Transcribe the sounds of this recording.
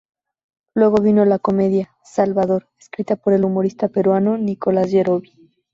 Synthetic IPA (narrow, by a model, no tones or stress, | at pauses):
lwe̞ɣo̞βino̞lako̞me̞ðja | salβaðo̞ɾe̥skɾit̪apo̞ɾe̞lumo̞ɾist̪ape̞ɾwano̞niko̞lazd͡ʒeɾo̞βi